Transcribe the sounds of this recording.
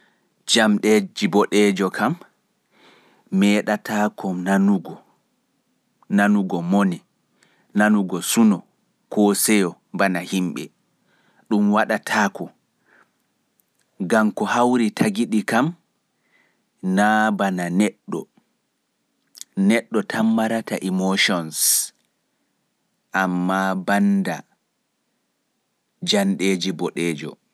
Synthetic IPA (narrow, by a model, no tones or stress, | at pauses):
d͡ʒamɗɛd͡ʒibɔɗɛːd͡ʒɔkʰam | ɛːɗatʰaːkɔnanuɡɔ | nanuɡɔmoni | nanuɡɔsunɔ | kɔsɛjɔ | banahimɓɛ̰ | ɗumwaɗatʰaːkɔ | ɡamkɔhawɾitʰaɡiɗikam | nabananɛɗːɔ̰ | nɛɗːɔtʰamːaɾataʔimoʃɔns | ʔamːabanda | d͡ʒanɗed͡ʒibɔɗɛːd͡ʒɔ̰